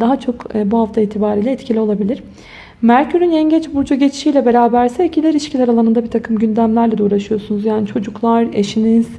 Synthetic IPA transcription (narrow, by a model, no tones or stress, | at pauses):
d̪aɦat͡ʃʰo̞kːbuɦaft̪ʰaiːt̪ʰibaːɾiːlʲɛɛt̪cʰilʲio̞lˠabilʲiɾ̥ | mæɾcʰyɾynɛɲɟɛt͡ʃbuɾd͡ʒaɟet͡ʃi̥ʃiːjlʲɛbe̞ɾaːbæɾsɛlʲcʰilʲɛɾiʃcʰilʲɛɾalˠanɯnd̪abiɾt̪ʰakʰɯmɟynd̪æmlʲæɾlʲɛd̪uːɾˠaʃɯjo̞sunuzjaːnit͡ʃʰo̞d͡ʒuklˠaɾḛʃiniz̥